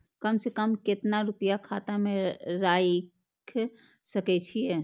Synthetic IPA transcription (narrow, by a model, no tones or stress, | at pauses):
kəmsekəmkɪt̪naɾʊpijakʰaːt̪amẽɾaj | kʰ | səkɛt͡ʃʰijɛ